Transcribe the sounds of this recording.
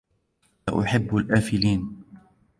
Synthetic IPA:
a̰ʔʊ̰ħɪbːalʔaːfɪliːn

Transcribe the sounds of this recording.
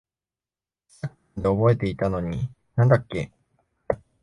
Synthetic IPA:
sakɯ̥ | d̪e̞obo̞e̞t̪e̞it̪ano̞ɲ̟ḭ | nãnd̪akːe̞

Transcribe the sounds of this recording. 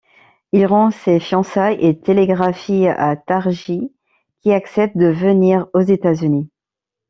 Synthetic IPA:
ilʁɔ̃sefjɑ̃sajʔet̪eleɡʁafia̰t̪aʁʒi | kʲiaksɛp̚t̪̚d̪əvəniʁozet̪azyni

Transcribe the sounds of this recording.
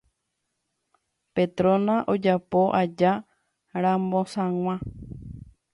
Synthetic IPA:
pe̞t̪ɾõnãʔo̞d͡ʒapo̞ʔad͡ʒa | ɾãmbõ̞sãŋ̃ʷã

